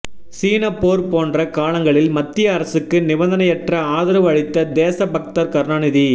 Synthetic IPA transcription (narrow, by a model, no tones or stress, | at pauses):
siːnɐpːoːɾpoːndrɐkaːɭɐŋɡɐɭɪlmɐt̪ːɪjɐːɾɐsɯkːɯnɪʋɐnd̪ɐnɐjɛʈrɐaːðɐɾɯʋɐɻɪt̪ːɐd̪eːsɐbɐk̚t̪ɐɾkɐɾnaːnɪði